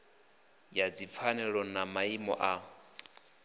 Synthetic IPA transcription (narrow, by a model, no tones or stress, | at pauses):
jad͡zip̪fʰanɛɺɔnamaimɔ̰ʔa